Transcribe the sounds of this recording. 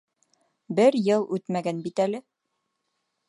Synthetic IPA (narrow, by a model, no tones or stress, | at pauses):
bɘɾjɤlˠʉt̪mæɡænbit̪ælɘ